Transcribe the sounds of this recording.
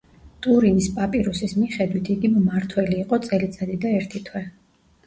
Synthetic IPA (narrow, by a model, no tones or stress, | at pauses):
t̪ʼuɾinispʼapʼiɾusismiχɛd̪wit̪ʰiɡimmaɾt̪ʰwɛliːqʼɔt̪sʼɛlit̪sʼad̪id̪aɛɾt̪ʰit̪ʰwɛ